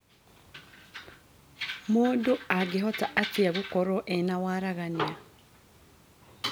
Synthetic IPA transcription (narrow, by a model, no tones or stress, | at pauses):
muduaɡiɦotaatiaβukoɾoʔenawaɾaɣania